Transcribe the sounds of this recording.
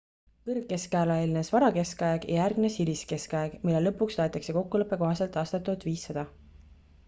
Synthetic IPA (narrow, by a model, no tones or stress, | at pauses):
kɤrɡːe̞skæːlɑelinesvɑɾɑke̞skɑeɡ̥ɑjærɡne̞siliske̞skɑeɡ̥milːe̞lɤ̞pːˑukst̪oet̪ːˑɑkse̞ko̞kːulɤpːˑe̞ko̞ɦɑse̞lt̪ːˑɑst̪ɑt̪ːˑut̪ːˑviːsːɑd̪̥ɑ